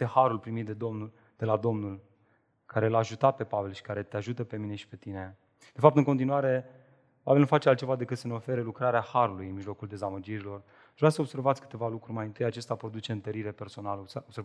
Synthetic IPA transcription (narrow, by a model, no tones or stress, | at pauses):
ehaɾulpɾimit̪̚d̪ed̪omu | d̪̥e̞lad̪o̞mnul | kaɾe̞laːʒut̪at̪̚pe̞pave̞lʃi̥kaɾe̞t̪eaʒut̪əpe̞mine̞ʃi̥pe̞t̪ine̞ | d̪̥e̞fap̚t̪ɨŋkot̪inuaɾe̞ | pavelnufatt͡ʃe̞alt̪̚t͡ʃe̞vad̪e̞kɨt̪səneo̞fe̞ɾelukɾaɾeahaɾulujɨnmiʒlo̞kuld̪e̞zaməd͡ʒiɾilo̞r | aʒvɾasəob̥se̞ɾvat̪sʲkɨ̥t̪e̞valukɾurʲmajɨnt̪ɨjat͡ʃe̞st̪apɾo̞d̪ut͡ʃe̞ɨnt̪əɾiɾe̞pe̞rso̞naləobsev